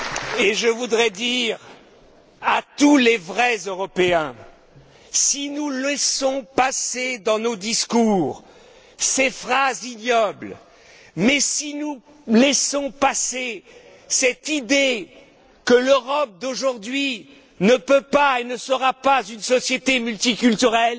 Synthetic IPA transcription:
eʒəvud̪ʁɛd̪iʁ | at̪ulevʁɛzøʁɔpeɛ̃ | sinulɛsɔ̃pased̪ɑ̃nod̪iskuːʁ | sefχazinjɔbl | mɛsinu | lɛsɔ̃pase | sɛt̪id̪e | kəløʁɔp̚d̪oʒuʁd̪ɥi | nəpøpaenəsəʁapazynsɔsjet̪emylt̪ikʲylt̪yʁɛl

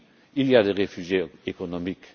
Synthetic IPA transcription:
iljad̪eʁefyʒjeekɔnɔmik

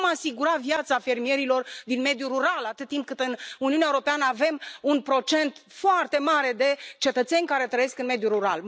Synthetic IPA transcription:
masiɡuɾavjat̪safe̞rmie̞ɾilo̞rd̪inme̞d̪juɾuɾalat̪ɨt̪̚t̪ːimp̚kɨt̪ɨnuniunaeuɾo̞peanəave̞munpɾo̞t͡ʃe̞nt̪foart̪e̞maɾe̞d̪e̞t͡ʃe̞t̪ət̪se̞nʲkaɾe̞t̪ɾəje̞skɨnme̞d̪juɾuɾa̰l

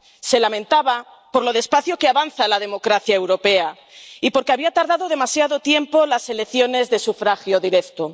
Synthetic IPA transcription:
se̞lamẽ̞nt̪aβa | po̞ɾlo̞ðe̞spaθjokeaβanθalað̞e̞mo̞kɾaθjaewɾo̞pe̞a | ipo̞ɾkeaβiat̪aɾðaðo̞ð̞e̞masjaðo̞t̪je̞mpo̞lase̞lekθjo̞ne̞zðe̞sufɾaxjo̞ðiɾe̞kt̪o

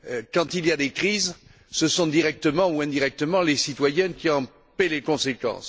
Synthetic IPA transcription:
økɑ̃t̪ilijad̪ekχiz | səsɔ̃d̪iʁɛk̚t̪əmɑ̃uɛ̃d̪iʁɛk̚t̪əmɑ̃lesit̪wajɛnkʲiɑ̃ | pɛlekɔ̃sekɑ̰̃s

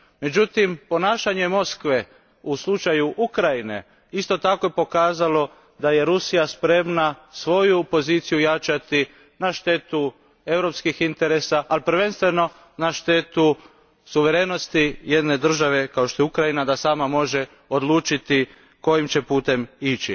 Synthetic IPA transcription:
me̞d͡ʒut̪impo̞naːʃaɲemo̞skʋe̞ | uslˠut͡ʃajuʔukɾajine̞̰ | ist̪o̞t̪ako̞jepo̞kaːzalo̞ | d̪aje̞ɾusijaspɾe̞mnasʋo̞jupo̞ziːt̪sijujat͡ʃat̪i | naʃt̪e̞t̪u | e̞vwɾo̞pskixint̪e̞ɾe̞saʔːlipɾ̩ʋe̞nst̪ʋe̞no̞ | naʃt̪e̞ːt̪u | suʋe̞ɾeːno̞st̪ije̞d̪ne̞d̪r̩ʒaʋe̞kao̞ʃt̪o̞jukɾajinad̪asaːmamo̞ʒe | o̞d̪lˠuːt͡ʃit̪i | ko̞jimt͡ʃe̞puːt̪e̞mit͡ʃi

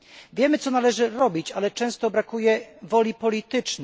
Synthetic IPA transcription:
vʲjɛmɘt̪ɔnalɛʐɘɾɔbʲit͡ɕalɛt͡ʂɛ̃w̃st̪ɔbɾakujɛvɔlʲipɔlʲit̪ɘt͡ʂnɛ

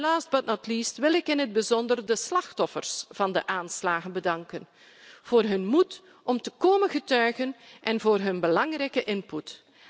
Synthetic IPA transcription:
laːsd̚bɑtnɑtlistʋɪlɪkɪnɦəd̚bəzɔndərdəslɑxtɔfərsv̥ɑndəʔaːnslaːɣənbədɑŋkən | v̥oːrɦɵnmut | ɔmtəkoːmənɣətœɥɣənʔɛnvoːrɦɵnbəlɑŋrɛjkəʔɪnput

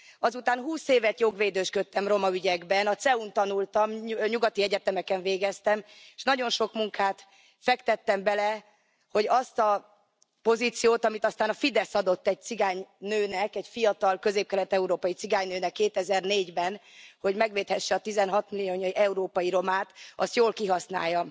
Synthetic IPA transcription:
ɒzut̪aːnɦuːseːvɛt̪joɡʋeːd̪øːʃkøt̪ːɛmro̞mɒyɟɛɡbɛnɒt̪sɛunt̪ɒnult̪ɒmɲuɡɒt̪iɛɟɛt̪ɛmɛkɛɱveːɡɛst̪ɛm | eʃnɒɟo̞nʃo̞kmuŋkaːt̪ | fɛkt̪ɛt̪ːɛmbɛlɛ | ho̞ɟɒst̪ɒ | po̞ziːt̪sijoːt̪ɒmit̪ɒst̪aːnɒfid̪ɛsɒd̪o̞t̪ːɛɟ̚t̪siɡaːɲnøːnɛkɛɟfijɒt̪ɒlkø̞zeːp̚kɛlɛt̪ɛuɾoːpɒjit̪siɡaːɲnøːnɛkːeːt̪ɛzɛrneːɟbɛnho̞ɟmɛɡʋeːt̪hɛʃːɛɒt̪izɛnɦɒt̪milijoːɲoiʔɛuɾoːpɒjiɾo̞maːt̪ɒ̰st̪joːlkiɦɒsna̰ːjːɒm

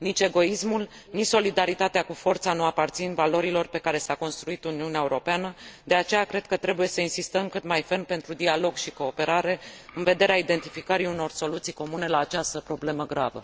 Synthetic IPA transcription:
nit͡ʃe̞ɡo̞ismul | nit͡ʃso̞lid̪aɾit̪at̪eakufo̞rt̪sanuapart̪sinvalo̞ɾilo̞rpe̞kaɾe̞sako̞nst̪ɾuit̪uniuneaeuɾo̞peanəd̪e̞at͡ʃe̞jakɾe̞d̪̚kət̪ɾe̞buje̞səinsist̪əmkɨt̪majfe̞npe̞nt̪ɾud̪ialo̞ɡʃiko̞ːpe̞ɾaɾe̞ɨnve̞d̪e̞ɾeaid̪e̞nt̪ifikəɾiuno̞rso̞lut̪sijko̞mune̞laːt͡ʃast̪əpɾo̞ble̞məɡɾavə̰

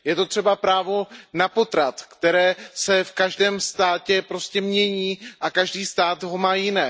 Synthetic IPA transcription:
jɛt̪o̞t̪r̥ɛbapɾaːvo̞napo̞t̪ɾat̪kt̪ɛɾɛːsɛfkaʒdɛːmst̪aːcɛpɾo̞scɛmɲɛɲiːʔakaʒdiːst̪aːt̪ɦo̞maːjɪnɛː

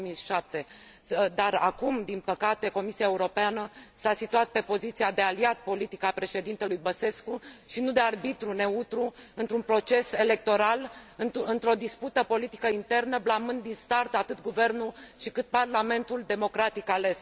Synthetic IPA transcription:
miʃap̚t̪e̞ | d̪arakumd̪inpəkat̪e̞ko̞misiae̞uɾo̞peanəsasit̪uat̪̚pe̞po̞zit̪siad̪e̞aliat̪̚po̞lit̪ikəapɾe̞ʃe̞d̪int̪elujbəse̞skuʃinud̪e̞arbit̪ɾune̞ut̪ɾuɨnt̪ɾunpɾo̞t͡ʃe̞se̞le̞k̚t̪o̞ɾalɨɨnt̪ɾo̞d̪isput̪əpo̞lit̪i̥kəint̪e̞rnəblamɨnd̪ːinst̪art̪at̪ɨt̪̚ɡuve̞rnuʃikɨt̪̚parlame̞nt̪uld̪e̞mo̞kɾat̪ikale̞s

